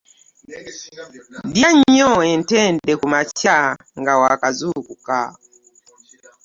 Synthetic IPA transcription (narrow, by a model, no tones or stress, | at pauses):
djaɲɔɛntɛndɛkumat͡ʃa | ŋɡawakazukuka̰